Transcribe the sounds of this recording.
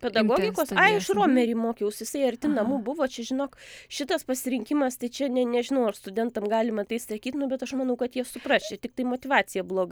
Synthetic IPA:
pʲɛd̪ɐɡoːɡʲɪkoːsɑːɪʃroːmʲɛɾʲiːmoːkʲejɛʊsjɪsɐɪɐrʲt̪ʲɪnɐmuːbʊʋoːt͡ʃʲɛʒʲɪnoːkʃʲɪt̪ɐspɐsʲɪɾʲɪŋʲkʲɪmɐst̪ɐɪt͡ʃʲɛnʲɛnʲɛʒʲɪnɐʊɐrst̪ʊdʲɛnt̪ɐmɡɑːlʲɪmɐt̪ɐɪst̪sɐkʲiːt̪nʊbʲɛt̪ɐʃmɐnɐʊkɐt̪jiɛsʊpɾɑːʃʲɛt̪ʲɪk̚t̪ɐɪmoːt̪ʲɪʋɑːt͡sʲɪjɛblˠoːɡɐ

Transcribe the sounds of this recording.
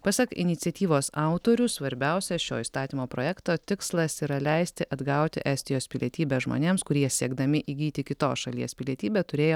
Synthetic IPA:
pɑsʲɐkɪ̰nʲɪt̪sʲɛt̪ʲiːʋoːsɑˑʊt̪oːɾʲʊsʋɐɾʲbʲɛʊsʲɛʃʲo̰ːiːst̪ɑːt̪ʲiːmoːpɾoːjɛkt̪oːt̪ʲɪkslˠɐsiːɾɐlʲɛˑɪsʲt̪ʲɪʔɐd̪ɡɐˑʊt̪ʲɪ̰ʔæːsʲt̪ʲɪjoːspʲɪlʲiɛt̪ʲiːbʲɛʒmo̰ːnʲeːmskʊɾʲiɛsʲiɛɡd̪ɐmʲɪʔiːɡʲiːt̪ʲɪkʲɪt̪o̰ːsʃɐlʲiɛspʲɪlʲiɛt̪ʲiːbʲɛt̪ʊɾʲeːjoː

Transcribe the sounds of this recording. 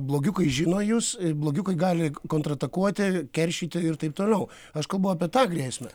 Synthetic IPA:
blˠoːɡʲʊkɐɪʒʲɪnoːjusblˠoːɡʲʊkɐɪɡɑːlʲɪkoːnt̪ɾɐt̪ɐkuɔt̪ʲɪkʲɛɾʲʃʲiːt̪ʲɪɪrt̪ɐɪp̚t̪oːlʲɛʊ | ɐʃkɐlˠbɐʊɑpʲiɛt̪ɑːɡrʲiːsʲmʲɛ

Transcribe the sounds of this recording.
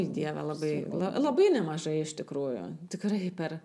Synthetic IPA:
id̪ʲiɛʋʲɛ̰lˠɐbɐɪlˠɐ̰lˠɐbɐɪnʲɛmɐʒɐɪɪʃt̪ʲɪkɾuːjʊ̰t̪ʲɪkɾɐɪpʲɛr

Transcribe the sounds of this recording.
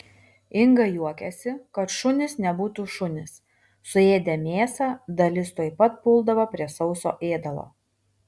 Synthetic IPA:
ɪŋɡɐjuɔkʲɛsʲɪkɐt̪ʃʊnʲɪsnʲɛbuːt̪uːʃʊnʲɪs | sʊeːd̪ʲɛmʲeːsɑːd̪ɐlʲɪst̪uɔɪpɐt̪̚pʊlˠd̪ɐʋɐpʲɾʲiɛsɒʊso̰ːʔeːd̪ɐlˠo̰ː

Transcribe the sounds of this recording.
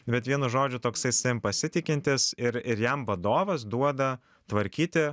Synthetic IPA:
bʲɛt̪ʋʲiɛnʊʒoːd͡ʒʲʊt̪oːksɐɪsʲɛmpɐsʲɪt̪ʲɪkʲɪnʲt̪ʲɪsɪɾɪɾjɛmʋɐd̪oːʋɐs̬d̪uɔd̪ɐ | t̪ʋɐɾʲkʲiːt̪ʲɪ

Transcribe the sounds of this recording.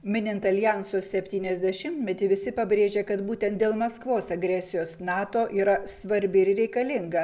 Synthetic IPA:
mʲɪnʲɪnt̪ɐlʲjæˑnsoːsʲɛpʲt̪ʲiːnʲɛzʲd̪ʲɛʃʲɪmʲt̪ʲmʲɛt̪ʲɪʋʲɪsʲɪpɐbʲɾʲeːʒʲeːkɐt̪buːt̪ʲɛnt̪̚d̪ʲeːlˠmɐskʋoːsɐɡɾʲɛsʲɪjoːsnɑːt̪oːʔiːɾɐsʋɐɾʲbʲɪɪɾɾʲɛɪkɐlʲɪŋɡɐ

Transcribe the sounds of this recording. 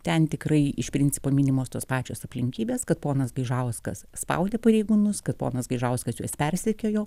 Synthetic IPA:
t̪ʲɛnt̪ʲɪkrɐɪɪʃpʲɾʲɪnʲt͡sʲɪ̥poːmʲiːnʲɪmoːst̪oːspɑːt͡ʃʲoːsɐpʲlʲɪŋʲkʲiːbʲeːskɐt̪̚poːnɐsɡɐɪʒɐʊskɐ̰sspɐ̰ʊd̪ʲeːpɐɾʲɛɪɡuːnʊskɐt̪po̰ːnɐsɡɐɪʒɐʊskɐsjuɔspʲɛrʲsʲɛkʲoːjoː

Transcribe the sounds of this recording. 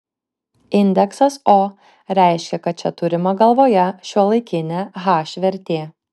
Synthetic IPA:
ɪnʲd̪ʲɛksɐsoː | ɾʲæˑɪʃʲkʲɛkɐt̪̚t͡ʃʲɛt̪ʊɾʲɪmɐɡɐlˠʋoːjɛʃʲuɔlˠɐɪkʲɪnʲɛɣɑːʃʲʋʲɛɾʲt̪ʲeː

